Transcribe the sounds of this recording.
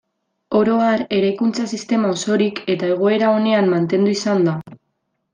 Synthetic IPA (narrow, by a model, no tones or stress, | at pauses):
o̞ɾo̞aɾe̞ɾajkunt͡sasist̪e̞mao̞so̞ɾike̞t̪ae̞ɣ̞o̞e̞ɾao̞ne̞amːant̪e̞nd̪uisand̪a